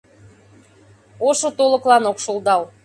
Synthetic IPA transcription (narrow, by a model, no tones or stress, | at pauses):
oʃot̪olɤ̆klɑnokʃolˠd̪ɑw